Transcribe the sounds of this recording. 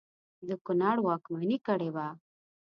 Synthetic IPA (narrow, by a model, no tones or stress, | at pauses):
d̪əkʊnɑɽwɑkmanikəɽeba